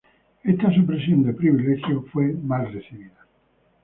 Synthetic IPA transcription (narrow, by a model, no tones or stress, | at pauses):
est̪as̬upɾesjond̪epɾiβilexjofwemalresiβiða